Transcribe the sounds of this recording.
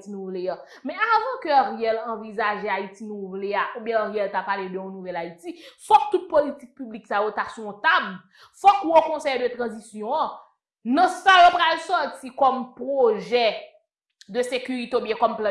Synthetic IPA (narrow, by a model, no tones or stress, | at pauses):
tinũvleã | mɛ̃avãkøʁɛlɐ̃vizaʒeait͡sinũvleaubjɛ̃ʁɛlt̪apaled̪øɔ̃nuvɛlaitifɔk̚t̪ut̪̚politik̚pybliksajot̪asɔ̃t̪ab | fɔkuõkɔ̃sɛjd̪øt̪ʁɐ̃zisjɔ̃ɐ̃ | nɐ̃sajopɣalsɔtikɔmpʁoʒɛ | d̪øsekyʁit̪eobjɛ̃kɔmpl̃